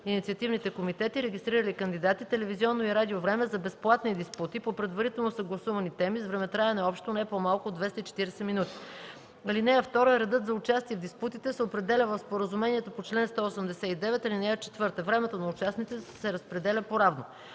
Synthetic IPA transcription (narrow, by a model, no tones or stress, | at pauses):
init̪siɐt̪ivnit̪ɛkomit̪ɛt̪iɾɛɡist̪ɾiɾəlikɐnd̪id̪at̪it̪ɛlɛviziɔnːoiɾad̪iovɾɛmɛzɐbɛsplˠat̪nid̪isput̪ipopɾɛd̪vɐɾit̪ɛlˠnosɐɡlˠɐsuvɐnit̪ɛmizvɾɛmɛt̪ɾaɛnɛɔpʃt̪onɛpomalˠkʊod̪vɛst̪it͡ʃɛ̥t̪iɾɛsɛminut̪i̥ | ɐlinɛjəft̪ɔɾojɛɾɛd̪ɤt̪zɐʊt͡ʃast̪iɛvd̪isput̪it̪ɛsɛopɾɛd̪ɛlʲəvəfspoɾəzumɛniɛt̪opot͡ʃlɛnst̪ɔosəmd̪ɛsɛid̪ɛvɛt̪ɐlinɛjət͡ʃɛ̥t̪vɤɾt̪əvɾɛmɛt̪onɐut͡ʃasnit̪t̪ɛsɛɾɐspɾɛd̪ɛlʲəpoɾavno